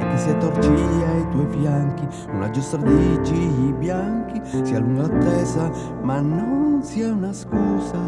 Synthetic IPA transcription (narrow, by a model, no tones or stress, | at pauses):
ɛkːesiat̪ːort͡ʃijait̪ɔjfjaŋki | nuna̰d͡ʒust̪aɾd̪it͡ʃiibjaŋkisialuŋɡalat̪ːɛza | manːonsiaunaskuːza